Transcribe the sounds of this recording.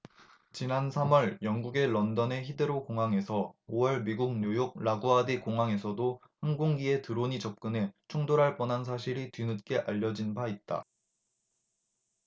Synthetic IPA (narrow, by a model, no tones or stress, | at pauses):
t͡ɕinansʰamwʌɭjʌŋɡuɡe̞ːʌndʌne̞çidɯɾokoŋɦaŋe̞sʰʌowʌɭmiɡuk̚ɲujok̚ɾaɡoadikoŋaŋe̞sʰʌdohanɡoŋɡie̞tɯɾoɲit͡ɕʌp̚k͈ɯne̞t͡ɕʰuŋdoɾɦaɭp͈ʌnɦans̬ʰaɕʰiɾitɥinɯt̚k͈e̞ʔaʎːʌd͡ʑinbait̚t͈a̰